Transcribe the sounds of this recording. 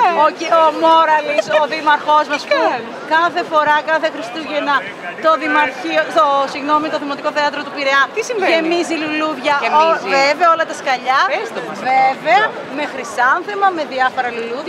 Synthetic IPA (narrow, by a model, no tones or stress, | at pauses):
oiomoɾɐlisoðimɐɾxo̞zmɐsu | kɐθe̞fo̞ɾɐkɐθe̞xɾist̪uʝenɐ | t̪o̞ðimɐɾçioosiɣno̞mit̪oðimot̪iko̞θeɐt̪ɾot̪upiɾeɐnt̪isimemiziluluvʝɐemveveɐo̞lɐt̪ɐskɐʎɐest̪omɐveve̞ɐ | me̞xɾisɐnθemɐme̞ðiɐfo̞ɾɐluluð